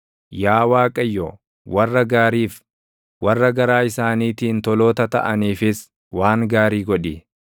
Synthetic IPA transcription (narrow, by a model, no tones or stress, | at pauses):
jaːwaːkʼɐjːɔ | wɐrːɐɡaːɾiːf | wɐrːɐɡɐɾaːɪsaːniːt̪iːnt̪ɔloːt̪ɐt̪ɐ̰ʔɐniːfɪs | waːŋɡaːɾiːɡɔᶑɪ